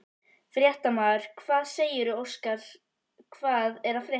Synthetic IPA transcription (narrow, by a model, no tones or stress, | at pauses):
fɾjɛht̪amaʏɾ̥kʰv̥aːðseːjɪɾʏowskaɾ̥ | kʰvaːðɛɾafɾjɛ